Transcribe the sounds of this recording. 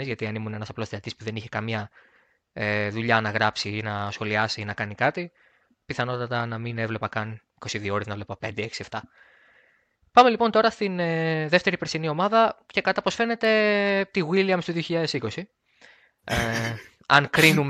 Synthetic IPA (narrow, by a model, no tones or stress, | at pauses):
nizʝɐt̪iɐnimune̞nɐsɐplo̞seɐt̪ispuðe̞niçekɐmɲɐ | eðuʎɐnɐɣɾɐpsinɐsxo̞liɐsinɐkɐnikɐt̪i | piθɐno̞t̪ɐt̪ɐnɐmine̞vle̞pɐkɐniko̞siðio̞ɾeznɐvlepɐpe̞nd̪eeksieft̪ɐ | pɐme̞lipo̞nt̪o̞ɾɐst̪inðeft̪e̞ɾipɾesinio̞mɐðɐce̞kɐt̪ɐpo̞sfe̞ne̞t̪e̞t̪iɣiliɐmust̪ðioçiʎɐðe̞siko̞si | e | ɐnkɾinum